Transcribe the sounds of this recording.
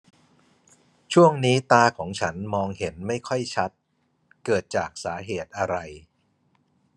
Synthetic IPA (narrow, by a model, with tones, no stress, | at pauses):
t͡ɕʰu˥˩əŋniː˦˥t̪aː˧kʰɔː˩˦ŋt͡ɕʰa˦˥nmɔː˧ŋhe˩˦nma˥˩jkʰɔ˥˩jt͡ɕʰa˦˥t̪̚ | kɤː˨˩t̪̚t͡ɕaː˨˩k̚saː˩˦ɦeː˨˩t̪̚ʔa˧ɾa˧j